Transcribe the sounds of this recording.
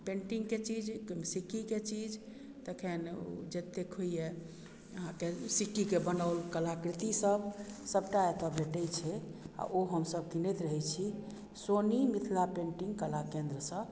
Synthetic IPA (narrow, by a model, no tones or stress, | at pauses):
pẽɳʈiŋɡket͡ʃid͡ʒkomsikːiket͡ʃid͡ʒ | t̪əkʰend͡ʒet̪ːekʰɦojje | əɦãkesikːikebənəʊlkəlakɾit̪isəbsəb̚ʈaet̪ɔbeʈɛjt͡ʃʰɛa̰ʔoɦəmsəb̚kinɛt̪ɾəɦɛt͡ʃʰi | sonimit̪ʰlapẽɳʈiŋɡkəlakẽnd̪ɾəsə̃